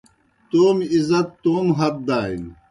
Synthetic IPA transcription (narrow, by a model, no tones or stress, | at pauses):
t̪oːmizɐt̪ːoːmɦɐt̪̚d̪aːḭn